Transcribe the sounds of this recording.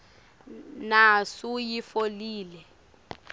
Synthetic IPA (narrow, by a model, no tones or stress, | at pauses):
nasujifoliːlɛ